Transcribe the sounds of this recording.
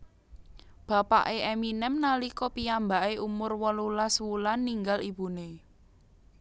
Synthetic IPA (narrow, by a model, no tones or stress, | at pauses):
b̥ä̤pa̰ʔeʔɛminɛmnalikɔpiambaʔeʔumʊrwɔlulaswulanːiŋɡalib̥ṳne